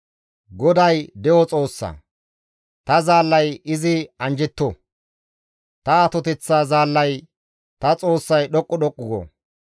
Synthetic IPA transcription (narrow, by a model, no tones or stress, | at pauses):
ɡɔd̪ɐjd̪ɛʔɔt͡sʼoːsːɐ̰ː | t̪ɐzaːlːɐjɪzɪɐnd͡ʒɛt̪ːɔ | t̪ɐat̪ɔt̪ɛt͡sːaːzaːlːɐj | t̪ɐt͡sʼo̞ːsːɐjɗɔkʼːɔɗɔkʼːʊɡɔ̰